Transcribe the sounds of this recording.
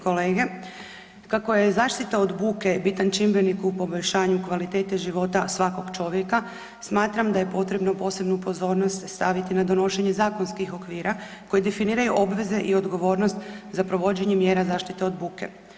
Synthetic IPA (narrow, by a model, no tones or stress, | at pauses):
koleːɡe̞ | kako̞je̞zaːʃt̪it̪ao̞d̪buːke̞bit̪ant͡ʃimbɾenikupo̞bo̞ʎʃaːɲukʋalit̪e̞ːt̪eʒiʋo̞t̪asʋako̞ɡt͡ʃo̞ʋje̞ka | smaːt̪ɾamd̪aje̞po̞t̪ɾe̞bnopo̞ːse̞bnupo̞zo̞ːɾnost̪st̪aʋit̪inad̪o̞no̞ʃe̞ɲe̞zaːko̞nskixo̞kʋiːɾa | ko̞jed̪e̞finiːɾajuʔo̞bʋe̞ze̞ʔio̞d̪ɡo̞ʋo̞ːɾnost̪zapɾo̞ʋo̞d͡ʑe̞ɲemje̞ːɾazaːʃt̪it̪e̞o̞d̪buːke̞̰